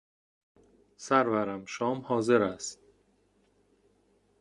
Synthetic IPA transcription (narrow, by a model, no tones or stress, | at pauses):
sæɾvæɾæmʃɒːmhɒːzeɾæst̪̚